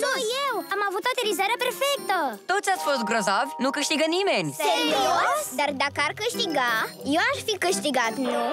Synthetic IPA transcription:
soiewɐmavot̪ɐt̪eɾizɛɾɐpeɾfejt̪ɐt̪od̪uzɛsfosɡɾozavunũkɐʃt̪iɣɐnĩmenuʃsẽd̪ɔd̪aɾd̪akaɾkɐʃt̪iɡaiewaʃkfikːɐʃt̪iɡad̪umew

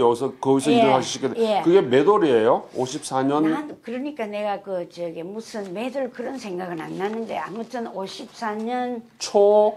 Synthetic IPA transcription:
jʌɡisʰʌkɯis̬ʰʌiɾɯɭɦaɕʰiɕʰik͈eekɯɡe̞me̞doɾiejooɕʰip̚s͈ʰaɲʌnankɯɾʌɲik͈ane̞ɡakɯt͡ɕʌɡemusʰɯnme̞dɯɭkɯɾʌnsʰe̞ŋɡaɡɯɭɾa̰nːanɯnde̞̰a̰mutʰɯnoɕʰip̚s͈aɲʌn | t͡ɕʰo

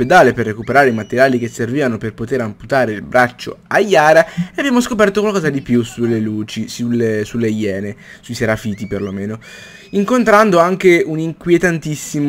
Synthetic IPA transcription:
ped̪aːleperːekupeɾaːɾeimat̪eɾjaːlik̟esːerviːvanoperpot̪eɾamput̪aːɾeilbɾat͡ʃːo̰ajːaːɾaeabjaːmoskopɛrt̪okwalkɔːzad̪ipjusuleluːt͡ʃisulesulːejɛːne | sujseɾafiːt̪iperlomeːno | iŋkont̪ɾand̪oaŋkeuniŋkwjet̪ant̪isːim

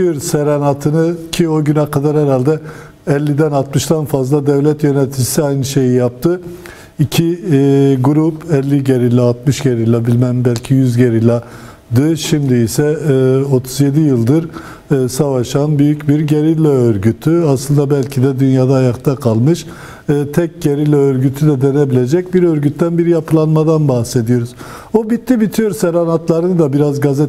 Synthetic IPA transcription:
yɾsɛɾɛnat̪ʰɯnɯcʰio̞ɟynakad̪aɾhɛɾalʲd̪ɛ | ɛlʲːid̪ænat̪mɯʃt̪ʰanfazlˠad̪ɛvlʲɛt̪jø̞nɛt̪ʰid͡ʒisiajnɯʃe̞jijap̚t̪ʰɯ | icʰi | ɡuɾupɛlʲːiɟeɾilʲːaːt̪mɯʃɟe̞ɾilʲabilʲmænbælʲcʰijyzɟe̞ɾilʲa | d̪ɯʃimd̪iisɛo̞t̪ʰuzje̞d̪ijɯlˠd̪ɯɾː | savaʃanbyjycbiɾɟe̞ɾilʲɛøɾɟyt̪ʰyaslˠɯnd̪abælʲcʰid̪ɛd̪ynjaːd̪aːjak̚t̪ʰakʰalˠmɯʃ | ɯːt̪ʰɛc̚ɟe̞ɾilʲɛøɾɟyt̪ʰyd̪ɛd̪e̞ne̞bilʲe̞d͡ʒɛc̚biɾøɾɟyt̪ːænbiɾijapʰɯlˠanmad̪anbahse̞d̪ijo̞ɾuz̥ | obit̪ʰːibit̪ʰijo̞ɾusɛɾanat̪lˠaɾɯnɯd̪abiɾazɡazɛ

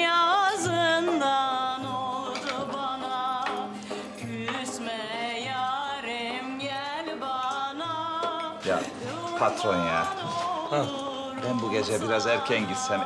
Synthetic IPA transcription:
jazɯnd̪anolˠd̪ʊbana | ɡysmɛjaɾɯmɟælʲbanaja̰ | pʰat̪ɾonja̰ | ha | bænbuɡed͡ʒɛbiɾazɛɾcʰɛnɟit̪sɛn

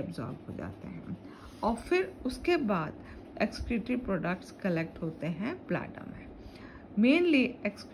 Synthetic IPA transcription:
ɐbzɔ̰ːɾbɦo̰d͡ʒa̰ːt̪ḛɦɛ̰̃ | ɔːɾfɪɾʊskebaːd̪ | ekskɾuʈɾipɾɔːɖək̚ʈskɐlek̚ʈɦoːt̪eɦɛ̃pla̰ːʈə̰mẽ | mẽːnlieksk

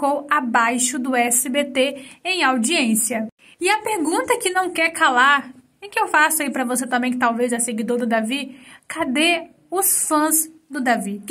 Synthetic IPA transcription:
kowabajʃʊd̪ʊɛsɪbet̪eẽj̃awd͡ʒiẽsiɐ | ɪɐpeɾɡũt̪ɐkɪnɐ̃w̃kɛɾkalaɾ | ɪkɪewfasʊaipɾɐvoset̪ɐ̃mbẽj̃t̪awvejzɛseɡid̪oɾd̪ʊd̪avikʰad̪e | ʊsfɐ̃zd̪ʊd̪avi

